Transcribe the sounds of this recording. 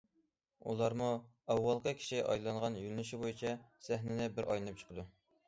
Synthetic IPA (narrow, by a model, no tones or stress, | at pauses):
ṵlˠɑɾmu | ɑwːɑlˠqʰəkʲʰi̥ʃiʔɑ̰jlˠɑnʁɑnjylnyʃibojit͡ʃʰɛsæɦnɪnɪbɪɾʔɑ̰jlˠɨnɨp̚t͡ʃʰə̥qʰəd̪u